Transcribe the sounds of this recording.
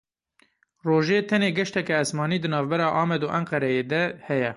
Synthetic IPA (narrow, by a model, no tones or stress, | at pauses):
roːʒeːt̪ʰɛneːɡɛʃt̪ɛkɛːsmɑːniːd̪ɨnɑːvbɛɾɑːʔɑːmɛd̪oːʔɛŋqɛɾɛjeːd̪ɛhɛjɛ